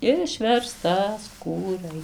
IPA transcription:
ɪʃʲʋʲɛrstɐˈskuːrɐɪ

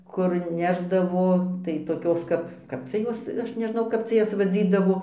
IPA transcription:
kʊr ˈnʲæːʒdɐʋoː tɐɪ toːˈkʲoːs ˈkɐp ˈkɐp t͡sʲɛ ˈjoːs ˈɐʃ nʲɛˈʒnɐʊ ˈkɐp t͡sʲɛ ˈjɛs ʋɐˈd͡zʲiːdɐʋoː

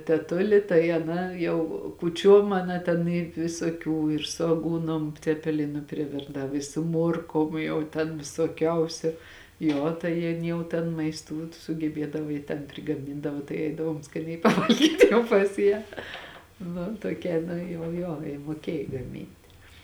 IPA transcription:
tʲɛˈtʊlʲɪ tɐɪ ɐˈnɐ jɛʊ kuːˈt͡ʃʲuɔm ɐˈnɐ tʲɛn ɪ ʋʲɪsoːˈkʲuː ɪr sʊ ɐˈɡuːnoːm t͡sʲɛpʲɛˈlʲɪnʊ pʲrʲɪˈʋʲɪrdɐw ɪ sʊ ˈmuɔrkoːm jɛʊ ˈtʲɛn ʋʲɪsoːˈkʲɛʊsʲʊ ˈjoː tɐɪ ˈjɪn ˈjɛʊ tʲɛn mɐɪsˈtuː sʊɡʲɛˈbʲiɛdɐʋɐ jɪ tʲɛn pʲrʲɪɡɐˈmʲɪndɐʋɐ tɐɪ ˈɛɪdɐʋoːm skɐˈnʲɛɪ pɐˈʋɐlʲɡʲiːt jɛʊ pɐs ˈjæː ˈnʊ toːˈkʲɛ ˈnʊ jɛʊ ˈjoː jɪ muɔˈkʲiɛj ɡɐˈmʲɪnʲtʲɪ

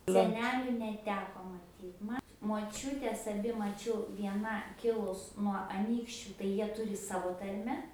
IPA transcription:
sʲɛˈnʲæːlʲʊ nʲɛˈtʲæːkoː mɐˈtʲiːt ˈmɐ moːˈt͡ʃʲʊtʲɛs ɐˈbʲɪ mɐˈt͡ʃʲɛʊ ʋʲiɛˈnɐ ˈkʲɪlˠʊs nuɔ ɐˈnʲiːkʃʲt͡ʃʲʊ tɐɪ ˈjiɛ ˈtʊrʲɪ ˈsɑːʋoː ˈtɐrʲmʲɛ

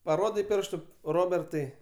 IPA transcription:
pɐˈroːdʲɛɪ ˈpʲɪrʃtʊ ˈroːbʲɛrtɐɪ

